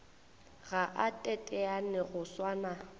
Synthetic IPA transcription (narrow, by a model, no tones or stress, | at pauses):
ɣaʔatʼɛtʼɛanɛɣʊswaːna